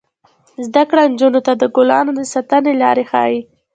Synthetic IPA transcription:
zd̪akɽand͡ʒunot̪ad̪əɡʊlɑ̰nod̪əsat̪anelɑɾexɑ̰ji

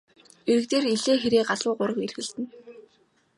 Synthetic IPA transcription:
eɾɘ̆k̚t̪eːriɮeːxeɾeːɢaɮʊːɢʊɾə̆kerɣɘ̆ɮt̪ɘ̆n

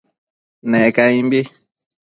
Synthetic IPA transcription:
nɛkaĩmbe

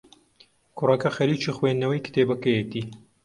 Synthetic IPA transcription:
kʰʊrɐkɐxɐɾiːt͡ʃiːxweːnːɐwɐjkɨt̪eːbɐkɐjet̪iː

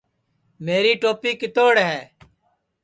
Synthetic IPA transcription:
meːɾiːʈoːpiːkɪt̪oːɽɦɛː

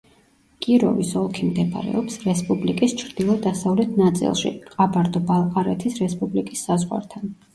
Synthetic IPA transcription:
kʼiɾɔ̰visɔlˠkʰimd̪ɛba̰ɾɛ̰ɔpsɾɛspʼublikʼist͡ʃʰɾd̪̥ilˠɔd̪asavlɛt̪ʰnat̪sʼḭlˠʃḭqʼabaɾd̪ɔbalˠqʼaɾɛt̪ʰisɾɛspʼublikʼisːazʁwa̰ɾt̪ʰan

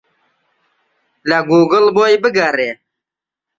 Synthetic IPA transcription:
laɡuːɡəlbojbəɡaɾe

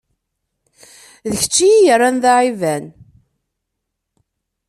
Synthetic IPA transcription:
ðəçə̥t͡ʃːijijərˤːanðaʕivæn

